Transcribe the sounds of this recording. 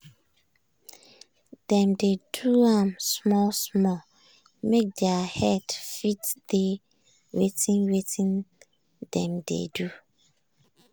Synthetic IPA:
d̥ɛ̃mdeduãmsmɔlsmɔl | mek̚dɛahɛdfitde | wetĩnwetʰĩn | dɛ̰̃mdḛdu

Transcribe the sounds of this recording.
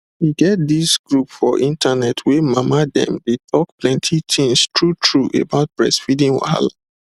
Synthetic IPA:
wiɡɛt̚disɡɹupfɔʔĩntʰanɛtʰwemamadɛ̰̃mdetʰɔkplɛ̃ntʰit̪ʰĩŋstʰɹutʰɹuʔḛbaʊt̚b̥ɹɛ̰sfidĩŋwa̰a̰la̰

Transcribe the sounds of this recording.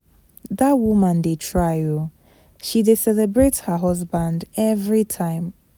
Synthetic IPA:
ðat̚wumə̃ndetʰɹ̥aɪ | ʃidisɛlɛbɹetshəɦʌzbãndɛvɹitʰãɪ̃m

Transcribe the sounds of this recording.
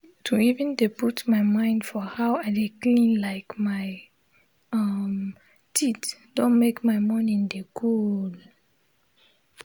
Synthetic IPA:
tʰuivɛ̃ndebutmajmãɪ̃ndfɔhawadeklĩnlaɪkmaɪ | ʌm | tʰitd̥õnmekmajmɔnĩndəkʰul

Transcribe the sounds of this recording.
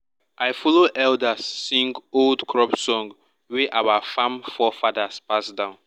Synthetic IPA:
ajfɔloʔɛldasːĩŋɡoldkʰɹɔpsɔ̃ŋɡ | wɛʔawafãmfɔfadaspasdãʊ̃n

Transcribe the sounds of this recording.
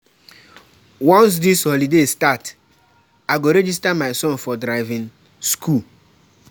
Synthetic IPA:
wɔ̃ns̬disholidestat | aɪɡoɾɛd͡ʒis̬tamaɪsɔ̃nfɔdɾaɪvĩn | skʰul

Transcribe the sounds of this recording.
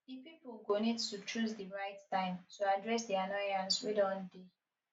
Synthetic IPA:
dipipulɡonittut͡ʃʰɹusdiɹaɪttãɪ̃mtuadɹɛs̬dɛanɔjãnswidɔ̃nde

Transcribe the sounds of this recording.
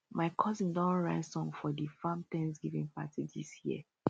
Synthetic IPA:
maɪkʰɔzĩndɔ̃nɹaɪsɔ̃ŋfɔdifãmtɛ̃nsɡivḭ̃ŋpa̰tidḭsjḭə

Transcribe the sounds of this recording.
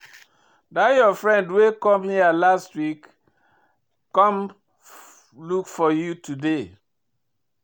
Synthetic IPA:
dajɔfɹɛ̃ndwekɔ̃mhialastwik | kɔ̃m | lukfɔjutude

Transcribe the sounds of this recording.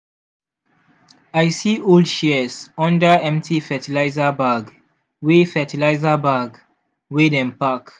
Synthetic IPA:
aɪsioldʃisɔ̃ndəɛ̃mtʰifɛtilaɪzəbaɡ | wefɛtilaɪzəbaɡ | wedɛ̃mpak

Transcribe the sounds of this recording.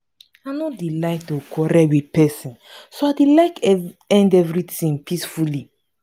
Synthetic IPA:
anɔtdilaɪtokʰɔɾɛwid̚pɛsĩnsoaɪdilaɪkɛ̃ndɛvɹitĩŋpʰisfuli

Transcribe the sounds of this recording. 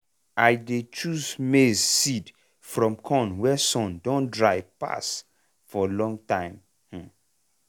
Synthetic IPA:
ajdet͡ʃuzmezsid | fɹɔ̃mkʰɔ̃nwɛsɔ̃ndõndɹaɪpa̰s | fɔlɔ̃ŋɡtãɪ̃m̩

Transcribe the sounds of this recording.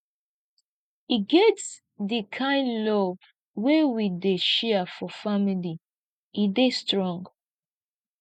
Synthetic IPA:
iɡɛts | dikʰãɪ̃ndlɔv | wewideʃɛəfɔfamili | idestɹɔ̃ŋɡ

